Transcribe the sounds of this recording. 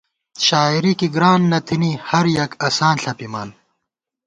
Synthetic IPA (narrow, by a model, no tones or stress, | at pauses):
ɕaːiɾikiɡɾaːnːɐt̪ʰinihɐɾjɐkɐsaːnɬɐpimaːn